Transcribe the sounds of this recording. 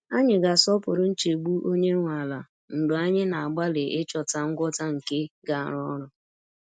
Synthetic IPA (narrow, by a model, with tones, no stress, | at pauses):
a˦ɲɪ˨ɡa˨sɔ˦pʊ˨ɾʊ˦n̩˦t͡ʃe˨ɡ͡bu˦ʔo˦ɲe˦ŋʷa˨la˨ | n̩˨ɡ͡bʊ˨a˦ɲɪ˦na˨a˨ɡ͡ba˦le˨ʔɪ˦t͡ʃɔ˨ta˨ŋ̩˦ɡʷɔ˦ta˦ŋ̩˨ke˦ɡa˨a˨ɾɔ˦ɾʊ˨